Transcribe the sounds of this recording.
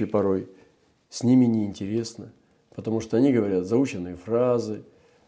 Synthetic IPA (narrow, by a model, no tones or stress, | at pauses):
ɪpɐɾo̞j | sʲnʲimʲɪnʲɪɪnʲtʲɪɾʲe̞snə | pət̪ɐmuʂt̪oɐnʲiɡəvɐɾʲat̪zɐut͡ɕɪnːɨjəfrazɨ